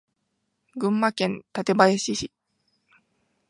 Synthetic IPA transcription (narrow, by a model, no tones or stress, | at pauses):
ɡɯ̟̃mːakẽ̞nt̪at̪e̞baeɕiɕi